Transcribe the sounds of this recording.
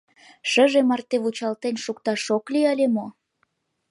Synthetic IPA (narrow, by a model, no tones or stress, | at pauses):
ʃə̆ʒemɑrt̪eβut͡ɕɑlt̪enʃukt̪ɑʃokliəlʲemo